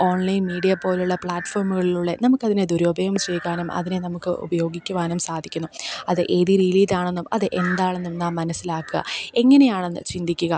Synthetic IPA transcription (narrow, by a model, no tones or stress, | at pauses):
o̞ːɳlɐjnmiːɽijɐpo̞ːluɭːɐpɭaːʈːfo̞ːrmuɣɐɭiluɭːenɐmukːɐðined̪uɾoːbʱɐjɐmt͡ɕejkːaːnumɐ̰ðine̞nɐmukːɨʔṵbɐjo̞ːɡikʲːuʋaːnumsaːd̪ʱikʲːunːuɐðɨʔeːðiriliːdaːɳenːumɐðɨʔe̞nd̪aːɳenːumnaːmːɐnɐsːilaːkːɨɣɐ̰e̞ŋːɐne̞jaːɳe̞nːɨt͡ɕind̪ʱikʲːuɣɐ